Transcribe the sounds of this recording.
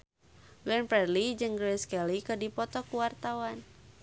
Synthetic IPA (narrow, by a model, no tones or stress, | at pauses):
ɡɛnpɛrlid͡ʒɨŋɡɾɛskɛlikədipɔt̪ɔkuwart̪awan